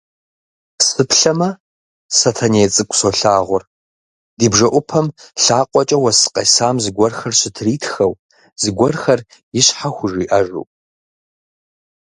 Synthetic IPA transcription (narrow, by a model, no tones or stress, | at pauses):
sɨpʰɬɐmɐ | sɐtʰɐneːt͡sʼɨkʷʼsoɬaːʁʷʊr | d̥iːbʐɐʔʷʊpʰɐmɬaːqʷʼɔt͡ʃʼɐwɐsɨ̥qʼɐ̰saːmzɨɡʷɔrxɐrɕɪtʰriːtʰxɐw | z̥ɨɡʷɔrxɐr | jɪɕħaxʷʊʒiːʔɐʒṵːpʼ